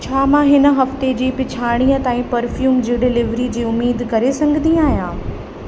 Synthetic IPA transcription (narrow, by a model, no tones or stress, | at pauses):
t͡ɕʰaːmãɦɪnə̆ɦɐft̪ed͡ʑiːpɪt͡ɕʰaːɽ̃iːət̪aːĩpɐɾfjuːmd͡ʑiɖɪlɪʋɾid͡ʑiːʊmːiːd̪kɐɾesɐ̃ŋɡʱɪnĩaːɦijãː